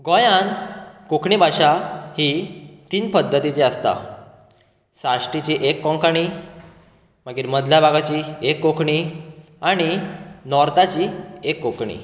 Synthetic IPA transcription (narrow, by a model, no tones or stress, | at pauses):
ɡɔjãnkokɳibʱaɕahit̪iːnpəd̪ʱːət̪it͡ɕeəst̪a̰ | saʂʈit͡ɕiːʔekːɔ̃ŋkaɽ̃i | m̤əɡiːɾməd̪ʱljabʱaɡat͡ɕiekːokʰɳi | aɽ̃inɔɾt̪at͡ɕiːekːokɳḭ